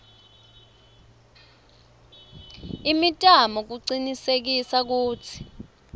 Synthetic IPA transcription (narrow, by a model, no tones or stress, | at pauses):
imitʼamɔk̬uǀinisek̬isak̬uːtʰi̥